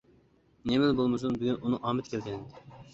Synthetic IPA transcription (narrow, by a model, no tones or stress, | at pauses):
nemɪlbolˠmɨs̬unbyɡʲynunɨŋʔɑːmɛt̪kʲʰɛlɡʲɛnɪd̪ɪ